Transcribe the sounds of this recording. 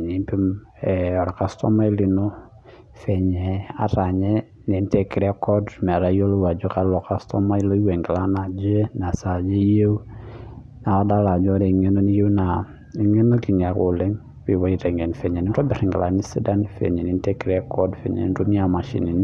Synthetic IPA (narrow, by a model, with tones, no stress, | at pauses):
ɲi˨pi˦m | ɛ˨ɔ˨ɾa˨ka˦stɔ˦ma˦i˦li˨no˦ | fɛ˨ɲɛ˨a̰˨ta˨ɲɛ˦ | ni˨ntɛ˨ki˨ɾɛ˦kɔ˦dmɛ˨ɾa˨˦jo˦lo˦wa˨d͡ʒo˦ka˦lɔ˨ka˦stɔ˦ma˦i˦lo˦i˦we˨ŋɡɛ˨la˦na˨d͡ʒe˦na˨sa˨d͡ʒe˦je˦ | na˨ɔ˦da˦la˨d͡ʒɔ˦ɾɛ˨i˨ŋe˦no˦ni˦je˦wna˨ | i˨ŋe˦no˦ki˨nia˨ko˨lɛ˦ŋ | wi˨wɔ˨˦i˨tɛ˨ŋɡɛ˨nfɛ˨ɲɛ˨nɪ˦ntɔ˦bi˨ɾi˨ŋɡɛ˨la˨ni˦si˦da˦nfɛ̰˨ɲɛ˨ni˨ntɛ˦ki˨ɾɛ˦kʰɔ˦dfɛ̰˨ɲɛ̰˨ni˨to˦m˦a˨ma˨ʃḭ˨ni˨n